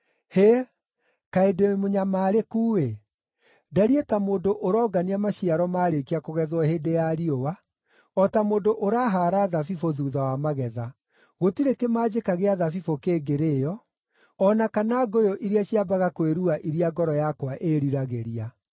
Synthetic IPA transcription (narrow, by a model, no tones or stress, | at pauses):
he | kaedemoɲamaːɾekuːwe | daɾietamoːndoʔoɾɔːɡaniamaɕiaɾɔmaːɾekiakoɣɛðwɔheːdejaɾiowa | ɔtamoːndoʔoɾaːɦaːɾaðafifoðuːðawamaɣɛða | ɣotiɾekemaːd͡ʑekaɣeaðafifokeɡeɾeːjɔ | ɔnakanaɡojoʔiɾiaɕiabaɣakweɾuaʔiɾiaɡɔɾɔjakwaʔeɾiɾaɣeɾia